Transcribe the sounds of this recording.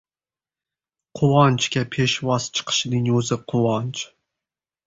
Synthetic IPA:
qʰʊwɑnt͡ʃkʲapʰeʃvɒst͡ʃʰɨ̥qʰɨ̥ʃɪnɪŋɵzɪqʰʊwɑnt͡ʃ

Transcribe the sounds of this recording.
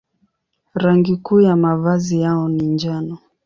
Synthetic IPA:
ɾaŋɡikuːjamavazijaɔniɲd͡ʒanɔ

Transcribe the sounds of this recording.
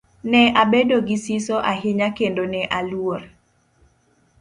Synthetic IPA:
nɛʔabedoɡɪsisoʔaɦɪɲakendonɛʔalwor

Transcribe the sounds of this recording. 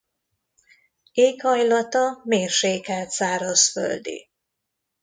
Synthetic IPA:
eːkhɒjlɒt̪ɒmeːrʃeːkɛlt̪saːɾo̞sfø̰ld̪ḭ

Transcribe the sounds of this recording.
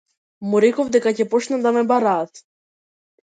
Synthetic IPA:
muɾɛkɔvd̪ɛkacɛpɔt͡ʃnad̪amɛbaɾaːt̪

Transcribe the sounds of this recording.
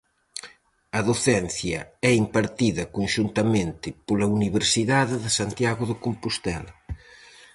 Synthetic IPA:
ɐðoθɛnθjɐ̰ɛimpaɾt̪iðɐkonʃunt̪ɐmẽnt̪ɪpolɐuniβeɾsiðaðɪðesant̪jaɣoðɪkompust̪ɛlɐ

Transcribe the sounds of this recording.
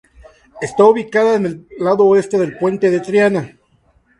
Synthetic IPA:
e̞st̪auβikaðaene̞llaðoːe̞st̪eðe̞lpwe̞nt̪eðet̪ɾjana

